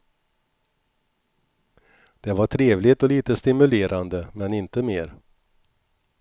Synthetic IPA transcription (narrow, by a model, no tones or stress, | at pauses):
d̪̥ɛvaʈʰɾeːvlɪt̪ɔliːt̪əst̪ɪmɵleːɾʔand̪əmɛnɪnt̪əmeːɾ